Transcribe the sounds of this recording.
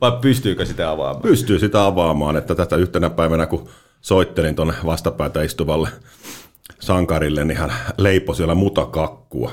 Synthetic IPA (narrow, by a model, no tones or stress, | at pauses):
ʋɑippyst̪yːkøsit̪æɑʋɑ̰ːmɑ̰pyst̪yːsit̪æɑʋɑːmɑːnet̪ːæt̪æst̪æyht̪enæpæiʋænæku | soit̪ːelint̪onːeʋɑst̪ɑpæˑit̪æist̪uʋɑlːe | sɑŋkɑɾilːennihænleiposiælːæmut̪ɑkɑkːṵɑ̰